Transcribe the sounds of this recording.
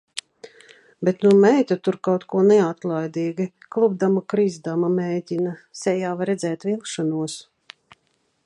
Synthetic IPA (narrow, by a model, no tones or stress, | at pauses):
bet̪numɛjt̪ʲat̪uɾkawt̪kuɔnɛat̪lˠajd̪iːɡi | klˠubd̪amakɾizd̪amamɛːd̪ʲinasɛjaːvaɾɛzɛːt̪vilˠkʃanuɔs